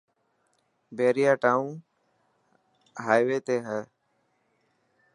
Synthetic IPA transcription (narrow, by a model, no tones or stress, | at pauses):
beːɾɪjaːʈaːũn | ɦaːjʋeːt̪eːɦɛː